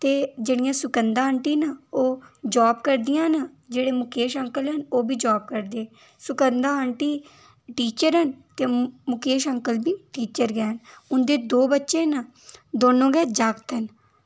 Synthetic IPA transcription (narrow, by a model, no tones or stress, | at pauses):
t̪eːd͡ʒeːɽijãːsʊkənd̪ãːəɳʈiːnaːoːd͡ʒaːbkəɾd̪ɪjãːna | d͡ʒeːɽeːmʊkeːʃəŋkəlɦənoːbiːd͡ʒaːb̚kəɾd̪eː | sʊkənd̪aːəɳʈiː | ʈiːt͡ʃəɾɦənt̪eːmʊkeːʃəŋkəlbiːʈiːt͡ʃəɾɡɛːɦənʊnd̪eːd̪oːbətːʃẽːna | d̪oːnõːɡɛːd͡ʒaːɡt̪ɦən